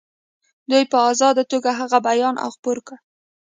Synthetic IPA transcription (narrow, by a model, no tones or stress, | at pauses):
d̪ujpəɑzɑd̪at̪oɡaɦaɣabajɑnʔa̰wxpoɾka